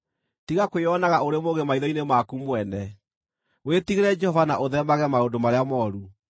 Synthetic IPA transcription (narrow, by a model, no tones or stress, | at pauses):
tiɣakweɔnaɣaoɾemoɣemaiðɔinemakumwɛnɛ | wetiɣeɾɛd͡ʒɛhɔvanaʔoðɛmaɣɛmaondomaɾeamɔɾu